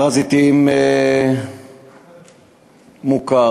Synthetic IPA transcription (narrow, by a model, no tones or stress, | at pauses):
ʁazit̪ime | muka